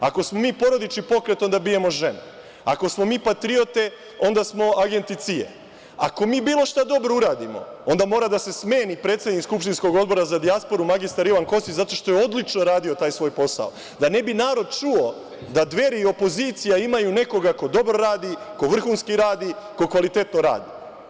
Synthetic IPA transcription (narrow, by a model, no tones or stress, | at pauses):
ako̞smo̞miːpo̞ɾo̞d̪it͡ʃipo̞kɾe̞t̪o̞nd̪abije̞mo̞ʒe̞ne | a̰ko̞smo̞miːpat̪ɾio̞t̪e̞ | o̞nd̪asmo̞aɡe̞nt̪it̪siḛ | a̰ko̞miːbiːlˠo̞ʃt̪ad̪o̞bɾouɾaːd̪imo̞̰o̞nd̪amo̞ːɾad̪ase̞sme̞ːnik̚pɾe̞t̪sed̪nikskupʃt̪insko̞ɡo̞d̪bo̞ɾazad̪iaspo̞ɾumaɡist̪aɾiʋaŋko̞st̪it͡ɕzat̪o̞ʃt̪o̞jeo̞d̪lit͡ʃnoɾaːd̪io̞t̪aːjsʋo̞ːjpo̞sa̰o | d̪anebinaːɾo̞d̪t͡ʃuo | d̪ad̪ʋe̞ɾio̞po̞ziːt̪sijaimajune̞ko̞ɡako̞d̪o̞bɾo̞ɾaːd̪iko̞ʋr̩xuːnskiɾaːd̪iko̞kʋalit̪e̞t̪no̞ɾa̰ːd̪i